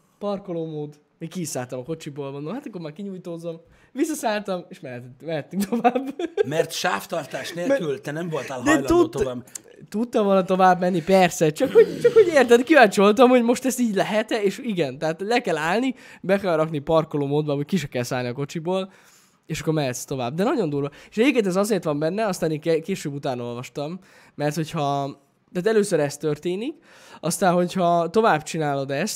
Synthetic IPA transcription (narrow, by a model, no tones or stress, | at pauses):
pɒrkoloːmoːd̪ | mikkisaːlt̪ɒmɒko̞t͡ʃiboːlvond̪ohɦat̪ɒkːormaːrkiɲujt̪oːzːom | visːɒsaːlt̪ɒmeːʃmɛmɛɦɛt̪ːyŋkt̪ʰo̞vaːbmɛrt̪ʃaːft̪ɒrt̪aːʃneːlylt̪ɛnɛmvolt̪alɦd̪ɛjlt̪ut̪ovaːb | t̪ut̪ːɒmvolnt̪o̞vaːbmɛnːipɛrsɛt͡ʃɒkhoɟt͡ʃɒkhoɟeːrt̪ɛd̪kivaːt͡ʃo̞lt̪ɒmho̞ɟmo̞ʃt̪ɛst̪iːɟlɛɦɛt̪ɛeːʃiɡɛnt̪ɛɦaːt̪lɛkɛlaːlni | bɛkɛlrɒknipɒrkoloːmoːd̪bɒɦockiʃɛkɛlsaːlniɒkot͡ʃiboːl | eːʃɒkːo̞ɾmɛɦɛt̪st̪o̞va̰ːb̚d̪ɛnɒɟo̞nd̪uːɾʋɒeʃɛɟeːpkeːnt̪ɛzɒzeːrt̪ʋɒmbɛnːɛɒst̪aːnikɛkeːʃøːbut̪aːno̞lvɒʃt̪ɒmː | ɛrt̪ho̞chɒ | t̪aːt̪ɛløːsøɾɛst̪ørt̪eːnik | ɒst̪aːnɦo̞chɒt̪o̞vaːbt͡ʃinaːlo̞d̪ɛst̪